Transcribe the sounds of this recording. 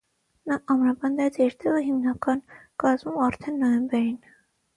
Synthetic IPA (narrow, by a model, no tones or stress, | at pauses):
nɑʔɑmɾɑpɑnd̪ɛt͡sɛɾt̪ɛʁəɦimnɑkɑnkɑzmumɑɾt̪ʰɛnːɔjɛmbɛɾin